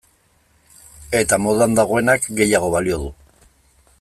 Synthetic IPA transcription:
e̞t̪amo̞ð̞and̪aɣ̞o̞e̞nakɡe̞jaɣ̞o̞βalio̞ðu

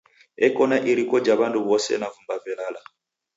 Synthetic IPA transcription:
ɛkɔnaʔiɾikɔd͡ʒaβanduβɔsɛ̰navumbavɛlala

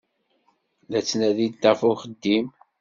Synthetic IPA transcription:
ðæt͡sːnæðid̪ːəfʊχəd̪ːim

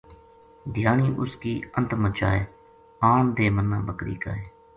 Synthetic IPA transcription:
d̪ɪjaːɳiːʔʊskiːənt̪mət͡ʃaːeː | aːɳd̪eːmənːãːbəkɾḭːka̰ːeː

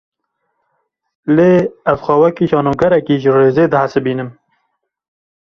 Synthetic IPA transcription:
leːæzxʷæwɛkiːʃɑːnoːɡɐɾɛkiːʒəreːzeːd̪ɨhasɨbiːnɨm

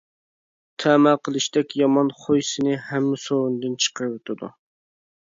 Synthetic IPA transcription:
t̪ʰæmæqʰəlˠɨʃt̪ɛkʲjɑmɑnχojsɨnɨhɛmːɪsowund̪ɨnt͡ʃʰə̥qəɾɨwot̪ʰɪd̪ṵ

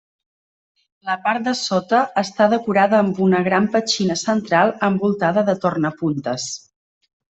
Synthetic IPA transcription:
ləpaɾt̪̚d̪əsot̪əːst̪aðəkuɾaðəːmbunəɣɾampət͡ʃinəsənt̪ɾalˠəmbulˠt̪aðəðət̪ornəpunt̪əs

